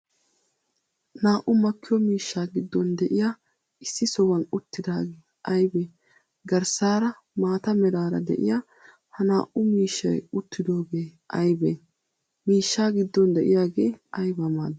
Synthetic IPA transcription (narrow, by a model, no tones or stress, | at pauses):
naːʔʊmɐkʰːɪjɔmiːʃːaːɡɪd̪ːɔnd̪ɛʔɪja | ʔɪsːɪsɔwɐnʊt̪ːɪd̪aːɡeː | ʔɐjbe | ɡɐɾsaːɾɐ | maːt̪ɐmɛɾaːɾɐd̪ɛ̰ʔɪ̰jaː | hɐnaːʔʊmiːʃːɐjʊt̪ːɪd̪o̞ːɡe̞ːʔɐjbɛ | miːʃːaːɡɪd̪ːɔnd̪ɛʔɪjaːɡe̞ːɐjbɐmaːd̪